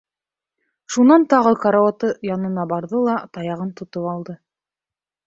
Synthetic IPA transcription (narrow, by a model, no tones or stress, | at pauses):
ʃunɑnt̪ɑʁɤkɑɾawat̪ɤjɑnɤ̆nɑbɑɾðɤlˠɑt̪ɑjɑʁɤnt̪ŏt̪opɑlˠd̪ɤ